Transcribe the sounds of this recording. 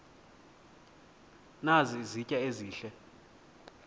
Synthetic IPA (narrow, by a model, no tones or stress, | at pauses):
nazizicʼaeziːɬɛ